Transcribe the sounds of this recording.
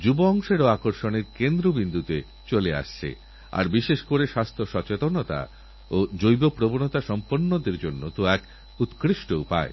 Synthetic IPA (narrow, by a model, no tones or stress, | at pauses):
d͡ʑuboɔŋʃeɾoakoɾʃoneɾkend̪ɾobind̪ʱut̪e | t͡ɕolea̰ʃt͡ɕʰḛ | a̰ɾbiʃeʃkoɾeʃast̪ʰoʃɔt͡ɕet̪onot̪a̰ | od͡ʑojbopɾobonot̪aʃɔmponːod̪eɾd͡ʑonːot̪oɛk | ut̪kɾiʃʈoupa̰e